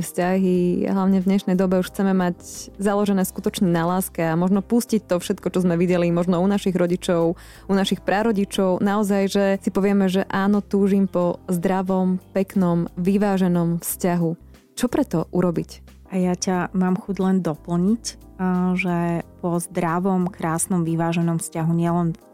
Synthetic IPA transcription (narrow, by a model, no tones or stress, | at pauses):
fscaɦia̰ɦlaʊɲɛvd̪ɲɛʃnɛjd̪ɔbɛuʃxt͡sɛmɛmaczalɔʒɛnɛːskut̪ɔt͡ʃɲɛnalaːskɛamɔʒnɔpuscic̚t̪ɔfʃɛt̪kɔt͡ʃɔzmɛʋiɟɛlimɔʒnɔunaʃiɣɾɔɟit͡ʃɔʊ | unaʃixpɾaɾɔɟit͡ʃɔʊnaɔzajʒɛsipɔʋɪɛmɛʒɛʔaːnɔt̪uːʒimpɔzd̪ɾaʋɔmpɛknɔmʋiʋaːʒɛnɔmfscaɦu | t͡ʃɔpɾɛt̪ɔʔuɾɔbic | ajacamaːmxuɟlɛnd̪ɔpl̩ɲic | ʒɛpɔzd̪ɾaʋɔmkɾaːsnɔmʋiʋaːʒɛnɔmfscaɦuɲɪɛlɛn